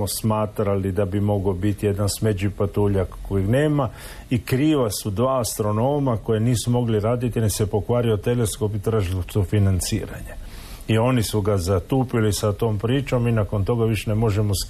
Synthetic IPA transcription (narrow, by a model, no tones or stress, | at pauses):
osmaːt̪ɾalid̪abimo̞ɡobit̪ije̞d̪ansmed͡ʒipat̪uːʎakːojine̞ːma | ikɾiːʋasud̪ʋaːst̪ɾo̞no̞ːmako̞jeniːsumo̞ɡliɾaːd̪it̪ionisepo̞kʋaːɾio̞t̪e̞le̞sko̞pit̪ɾaːʒilosufinant̪sḭːɾa̰ɲe | io̞nisuɡazat̪uːpilisat̪o̞ːmpɾiːt͡ʃo̞minako̞nt̪o̞ɡaʋiʃenemo̞ʒe̞mo̞s